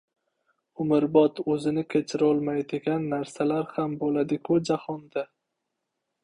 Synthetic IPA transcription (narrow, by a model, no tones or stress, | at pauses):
ʊmɪɾbɒt̪ɵzɪnɪkʲʰe̞t͡ʃʰɪɾɒlˠmajd̪ɪɡʲanːaɾsalaɾhambolad̪ɪkʲʰʊd͡ʒahɒnd̪a